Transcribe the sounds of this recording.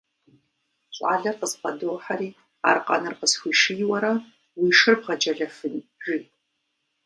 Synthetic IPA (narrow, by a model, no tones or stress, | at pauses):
ɕʼa̰ːɮɐrqəzqɐdoːħaɾiː | a̰ːrqɐ̰nɨrqəsxʷiːʃijwɐɾɐ | wiːʂɨrbʁɐd͡ʒɐɮɐfɨnʒiː